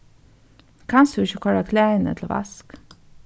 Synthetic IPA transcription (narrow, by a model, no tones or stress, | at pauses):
kʰɑnsd̪ʉɪçəkʰɔɹakʰlæːɪnə̰t̪ʰl̩ʋa̰sk